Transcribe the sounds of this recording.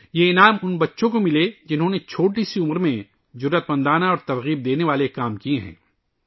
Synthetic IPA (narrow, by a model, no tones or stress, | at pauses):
jeɪnaːmʊnbɐtːʃõkomɪled͡ʒɪnɦõnet͡ʃʰoːʈ̬isiʊmɾmẽ | zʊɾːət̪mɐ̃nd̪aːnaɔːɾt̪ɐɾɣiːb̚d̪eːneʋaːlekːaːmkieɦɛ̰̃ː